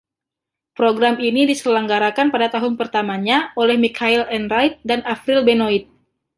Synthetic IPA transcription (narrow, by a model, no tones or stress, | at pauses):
pɾoɡɾaminidisəlaŋɡaɾakanpadat̪aɦʊnpərt̪amaɲaolɛhmikʰailɛnɾajt̪̚danafɾilbenoit̪̚